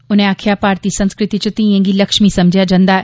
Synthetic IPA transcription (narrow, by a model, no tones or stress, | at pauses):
ʊnẽaːkʰɪjapaːɾt̪isɐ̃nskɾɪt̪it͡ʃət̪ĩẽŋɡilɐkʃmisɐ̃md͡ʒʱijad͡ʒɐ̃nd̪aːɛ